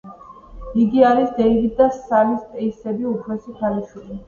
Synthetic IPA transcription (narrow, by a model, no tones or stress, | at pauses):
iɡiaɾisd̪ɛivid̪d̪asalist̪ʼɛisɛbiupʰɾɔsit̪ʰalɛʃwili